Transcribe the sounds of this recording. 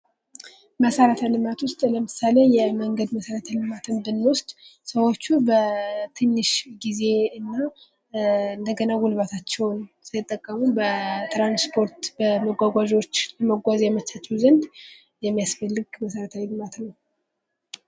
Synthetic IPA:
məsəɾət̪ʰəlɨmat̪ʰwʊst̪ʼləmɨsalejɛməŋɡəd̪məsəɾət̪ʰəlɨmat̪ʰɨnbɨnːwʊst̪ʼsəwo̞t͡ʃːubət̪ʰɨnːɨʃɡize̞ɨnːa | ɨnd̪əɡənaɡulβat̪ʰat͡ʃːɛwnsɨlɨt̪ʼːəkʼːəmubət̪ɾanspʰo̞ɾt̪bəməɡʷaɡʷaʒo̞t͡ʃːləməɡʷazjɛmət͡ʃʰːat͡ʃːɛwzənd̪ | jɛmːijasfəlːɨɡməsəɾət̪ʰawilɨmat̪nəw

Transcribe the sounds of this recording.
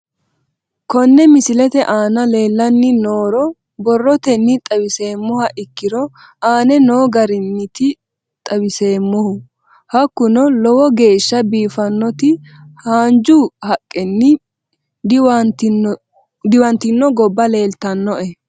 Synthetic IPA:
kɔnːɛmɪsɪlɛt̪ɛʔaːnɐle̞ːlːɐnːɪno̞ːɾɔ | bɔrːɔt̪ɛnːɪt̪ʼɐbɪse̞ːmːɔhɐʔɪkːɪɾɔ | ʔaːnɛnoːɡɐɾɪnːɪt̪ɪ | t̪ʼɐbɪse̞ːmːɔhʊ | hɐkːʊnɔlɔwɔɡe̞ːʃːɐbiːfɐnːɔt̪ɪ | haːnd͡ʒuhɐkʼːɛnːɪ | d̪wt̪ | d̪ɪwɐnt̪ɪnːɔɡɔbːɐle̞ːlt̪ɐnːɔʔɛ

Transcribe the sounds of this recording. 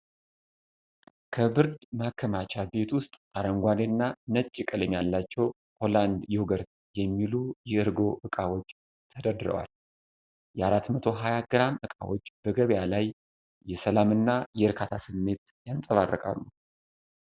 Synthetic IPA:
kʰəbɨɾd̪makʰːəmat͡ʃʰabe̞t̪wʊst̪ʼʔaɾəŋɡʷanenːanət͡ʃʼːikʼələmjalːat͡ʃːɛw | ho̞land̪jɛwɡəɾt̪ | jɛmːilujɛɨɾɡo̞ʔɨkʼawot͡ʃː | t̪ʰəd̪əd̪ɨɾə̰wa̰l | jɛaɾat̪mət̪ʰo̞ɦajaɡɨɾamɨkʼa̰wot͡ʃːb̥əɡəβjalaj | jɛsəlamɨnːajɛɨɾkʰat̪ʰasɨmːe̞t̪jansʼəβarːə̰kʼa̰lːu

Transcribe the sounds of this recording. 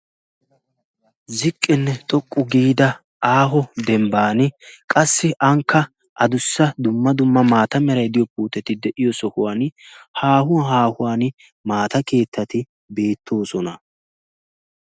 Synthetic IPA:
zɪkʼːɪnːɛt̪ʼɔkʼːʊɡiːd̪ɐ | ʔaːɦɔd̪ɛmbaːnɪkʼɐsːɪʔɐŋkːɐ | ʔɐd̪ʊsːɐd̪ʊmːɐd̪ʊmːɐmaːt̪ɐmɛɾɐjd̪ɪjɔpuːt̪ɛt̪ɪd̪ɛʔɪjɔsɔhʊwaːnhaːhʊɦaːhʊwaːn | maːt̪ɐke̞ːt̪ːɐt̪ɪ | be̞ːt̪ːo̞ːsɔnɐ

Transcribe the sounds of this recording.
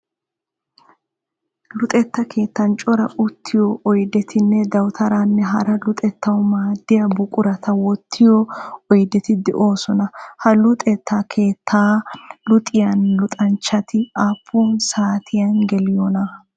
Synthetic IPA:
lʊt̪ʼɛt̪ːɐkʰe̞ːt̪ːɐnt͡ʃʼɔɾɐʔʊt̪ʰːɪjɔʔɔjd̪ɛt̪ʰɪnːɛd̪ɐwt̪ʰɐɾanːɛɦɐ̰ɾɐlʊt̪ʼɛt̪ːɐwmaːd̪ːɪjɐbʊkʼʊɾɐt̪ʰɐwɔt̪ʰːɪjɔɔjd̪ɛt̪ɪd̪ɛʔo̞ːsɔnɐhɐlʊt̪ʼɛt̪ʰːaːkʰe̞ːt̪ʰːaːlʊt̪ʼɪjɐnlʊt̪ʼɐnt͡ʃːɐt̪ɪaːpʰːuːnsaːt̪ʰɪjɐnɡɛlɪjɔnɐ

